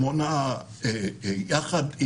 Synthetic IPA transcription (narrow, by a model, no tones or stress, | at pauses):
mona | ejaχad̪i